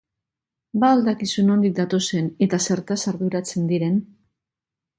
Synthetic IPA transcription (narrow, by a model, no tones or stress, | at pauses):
baold̪akisuno̞nd̪ik̚d̪at̪o̞se̞ne̞t̪ase̞ɾt̪asaɾðuɾat͡se̞nd̪iɾe̞n